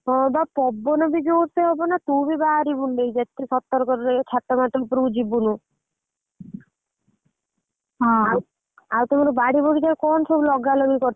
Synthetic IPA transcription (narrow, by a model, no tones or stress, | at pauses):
ɦɔ̃bapɔbːɔnɔbid͡ʒoːɾt̪eɦɔbɔnat̪ubibaɾibuɳɖejd͡ʒet̪ʰːesɔt̪ːɔɾɔkɔɾɾet͡ʃʰat̪ːɔmat̪ɾɔpɾud͡ʒibunu | ɦɔ̃a | awt̪ɔmaɾɔbaɽibɔɽid̪aɾkɔnsʰɔbulɔɡalɔbikɔɾ